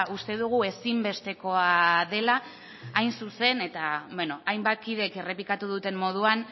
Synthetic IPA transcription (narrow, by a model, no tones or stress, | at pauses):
ust̪e̞ðuɣ̞ue̞simbe̞st̪e̞ko̞aðe̞laː | jnsuse̞ne̞t̪abeno̞ajmbat̪̚kiðe̞ke̞re̞plikat̪uð̞ut̪e̞mːo̞ð̞uan